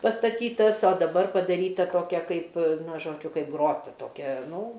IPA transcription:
pɐstɐˈtʲiːtɐs oː dɐˈbɐr pɐdɐˈrʲiːtɐ ˈtoːkʲɛ ˈkɐɪp ˈnɐ ˈʒoːd͡ʒʲʊ ˈkɐɪp ˈɡroːtɐ toːˈkʲɛ ˈnuː

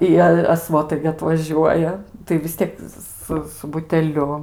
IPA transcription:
ɪ ˈjiɛ ɐ ˈsʋoːtɐɪ ɡʲɪ ɐtʋɐˈʒʲuɔjɛ tɐɪ ʋʲɪs ˈtʲiɛk ˈsʊ sʊ bʊtʲɛˈlʲʊ

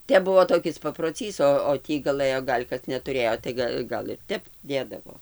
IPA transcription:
ˈtʲɛp ˈbʊʋoː toːˈkʲɪs pɐproːˈt͡sʲiːs oː oː ˈtʲiː ɡɐˈlˠɘjoː ˈɡɐlʲ kɐs nʲɛtʊˈrʲeːjoː tɐɪ ˈɡɐ ɡɐlˠ ɪr ˈtʲɛp ˈdʲeːdɐʋoː

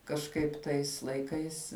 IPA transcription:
kɐʃˈkɐɪp ˈtɐɪs lˠɐɪˈkɐɪs

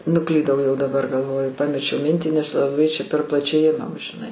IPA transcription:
nʊˈklʲiːdɐʊ jɛʊ dɐˈbɐr ɡɐlˠˈʋoːjʊ ˈpɑːmʲɛt͡ʃʲɛʊ ˈmʲɪnʲtʲiː nʲɛs lˠɐˈbɐɪ ˈt͡ʃʲɛ pʲɛr plˠɐˈt͡ʃʲɛɪ ˈɪmɐm ʒʲɪˈnɐɪ

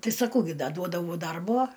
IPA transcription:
ˈtɐɪ sɐˈkɐʊ ˈɡʲɪ ˈdɐ ˈduɔdɐʋɐʊ ˈdɐrboː

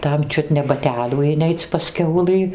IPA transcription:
ˈtɐm ˈt͡ʃʲʊt nʲɛ bɐˈtʲæːlʲuː ɪˈnʲɛɪt͡sʲ pɐs ˈkʲɛʊlˠɨ

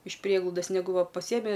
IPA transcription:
ɪʃ ˈpʲrʲiɛɡlˠɐʊdɐs nʲɛˈɡʊ ˈʋɐ pɐˈsʲiɛmʲɪ

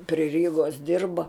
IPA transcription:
pʲrʲɪ ˈrʲiːɡoːs ˈdʲɪrbɐ

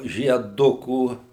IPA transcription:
ʒʲiɛˈdʊkuː

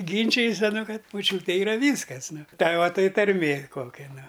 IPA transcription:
ˈɡʲiːnʲt͡ʃʲɪjɛs ɐˈnʊ ˈkɐt moːˈt͡ʃʲuːtʲeː ɪˈrɐ ˈʋʲiːskɐs ˈnʊ ˈtɐɪ ˈʋɐ ˈtɐɪ tɐrʲˈmʲeː ˈkoːkʲɛ ˈnʊ

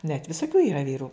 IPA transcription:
nʲɛt ʋʲɪsoːˈkʲuː iːˈrɐ ˈʋʲiːrʊ

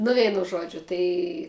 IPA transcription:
nʊ ˈʋʲɛɪnʊ ˈʒuɔd͡ʒʲʊ ˈtɐɪ

